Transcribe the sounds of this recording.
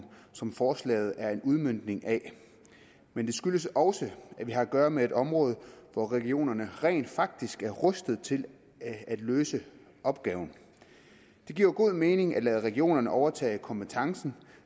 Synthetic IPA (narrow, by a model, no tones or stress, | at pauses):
sɒ̽mfɒːslɛ̰ːɪð̞̩ˠæɐe̝nuð̞ˠmøn̰d̥ne̝ŋʔæ | mend̥e̝sɡ̥yləsɒ̽səæʋiɦɑ̈æɡ̥ɶːɐmee̝d̥ɒ̽mʁɔ̽ːð̞̩ˠʋɒʁɛɡio̝̰ːnɐnəʁɛ̰ːnd̥fɑ̈ɡ̥̚d̥isɡ̥æɐʁɔsd̥ð̞̩ˠt͡sʰe̝l | æd̥løːsə | ʔɒ̽b̥̚ɡ̥ɛ̰ːʊn̩ | d̥e̝ɡ̥iɐ̰ɡ̥o̝ð̞̰ˠme̝ːne̝ŋʔæ̥lɛːð̞ˠəʁɛɡio̝̰ːnɐnəʔɒʊɐt͡sʰɛ̰ːɪkʰɒ̽mb̥et͡sʰɑ̈ŋsn̩